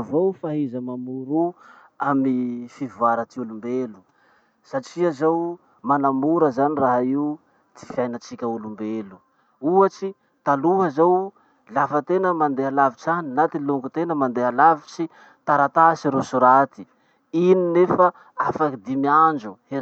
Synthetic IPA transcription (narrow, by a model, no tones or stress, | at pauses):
vowfaɦizəmamuɾu | amnifivuaɾət̪iulumbelu | saʈ͡ʂiazaw | manamuɾəzaniraɦaiu | t̪i̥fiajnat͡sikʲəulumbelu | uat͡ʃi | t̪aluɦəzaw | lafət̪enəmand̪ealaviʈ͡ʂaninat̪iluŋɡut̪enəmand̪ealavit͡ʃi | t̪aɾat̪asiɾusuɾat̪i̥ | ininefə | afakid̪imiand͡ʒue